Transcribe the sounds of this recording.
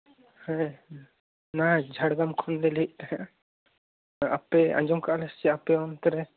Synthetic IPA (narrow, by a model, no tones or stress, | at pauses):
hɛ | nad͡ʒʱaɽɡamkʰɔnlɛlɛc̚ˀt̪aɦãʔ | a̰pɛã̰ɲd͡ʒɔmkaʔlɛst͡ʃɛapɛɔnt̪ɔɾɛ